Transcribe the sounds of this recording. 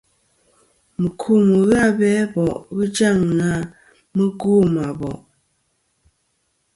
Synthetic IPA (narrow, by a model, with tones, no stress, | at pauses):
mə˨kʰu˦˨mə˨ɣa˦˨bɛ˦bɔ˨ʔɣə˦d͡ʒa˦˨ŋna˦ | mə˦ɡu˦˨ma˨bɔ̰˨ʔ